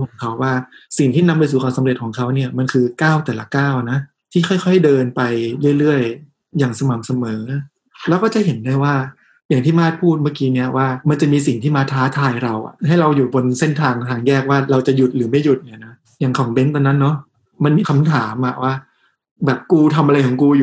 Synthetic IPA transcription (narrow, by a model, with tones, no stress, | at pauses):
kʰɔː˩˦ŋkʰa˦˥wːaː˥˩si˨˩ŋt̪ʰiː˥˩na˧mpa˧js̬uː˧˩ka˧sa˧˦mɾe˨˩t̪̚kʰɔː˩˦ŋkʰa˦˥wni˥˩ɐma˧nkʰɯː˧kaː˥˩wt̪ɛː˨˩la˦˧kaː˥˩wna˦˥ | t̪ʰiː˥˩xʰɔ˥˩jkxʰɔ˥˩jdɤː˧npa˧jɾɯ˥˩əjlɯ˥˩əj | jaː˨˩ŋsa˧ma˨˩˦msa˧mɤː˩˦ | lɛ˦˥wkɔː˥˩t͡ɕa˨˩ɦe˩˦nda˥˩˨jwaː˥˩ | jaː˨˩ŋt̪ʰiː˥˩maː˥˩t̪̚pʰuː˥˩t̪̚ma˥˩kiː˧˥ni˥˩ɐwaː˥˩ma˧nt͡ɕa˨˩miː˧si˨˩ŋt̪ʰiː˥˩maː˧˥˩t̪ʰːaː˦˥t̪ʰaː˧jɾa˧wʔa̰˨˩ha˥˩jɾa˧wjuː˨˩bo˧nse˥˩nt̪ʰaː˧ŋt̪ʰaː˧ŋjɛː˥˩k̚waː˥˩ɾa˧wt͡ɕa˨˩ju˨˩t̪̚lɯː˩˦ma˥˩ju˨˩t̪̚ni˧˩˨na˦˥ | jaː˨˩ŋkʰɔ˩˦ŋbe˧˦˥nt̪ɔ˧nːa˦˥nːɔ˦˥ | ma˧nmiː˧kʰa˧mt̪ʰaː˩˦mʔa˨˩waː˥˩ | bɛː˨˩p̚kuː˧t̪ʰa˧mʔa˧ɾa˧jkʰɔː˩˦ŋkuː˧ju˨˩